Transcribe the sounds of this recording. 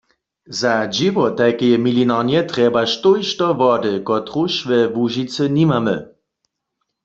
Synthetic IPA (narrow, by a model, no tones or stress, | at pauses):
zad͡ʒiʋɔt̪akɛjɛmilinaːnjɛtʁɛbaʃtojʃtɔvɔdəkɔtʁuʃʋɛvuʒit͡sənimamə